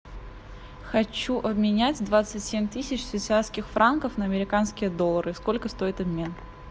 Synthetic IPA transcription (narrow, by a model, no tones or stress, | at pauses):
xɐt͡ɕuʔɐbmʲɪnʲætʲd̪vat̪sɨtʲsʲemʲt̪ɨsʲɪt͡ɕsvʲɪt̪sɨaskʲɪxfɾʔankəfnəɐmʲɪɾʲɪkanskʲɪjəd̪o̞lˠːəɾɨsko̞lʲkəst̪o̞ɪt̪ɐbmʲe̞n